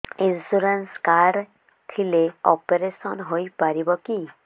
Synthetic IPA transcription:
insuɾenskaɾɖ | t̪ʰileɔpeɾesɔnɦojpaɾibɔki

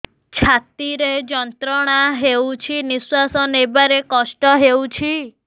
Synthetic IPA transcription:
t͡ʃʰat̪iɾed͡ʒɔnt̪ɾɔɽ̃aɦewt͡ʃʰiniswasɔnebaɾekɔsʈɔɦewt͡ʃʰi

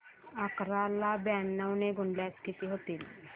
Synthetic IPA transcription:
akɾalabanːawneɡuɳɖljaskit̪iɦot̪iːl

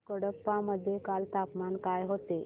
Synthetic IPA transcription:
kəɽəpːaməd̪ʱːjekalt̪apmankajɦot̪e

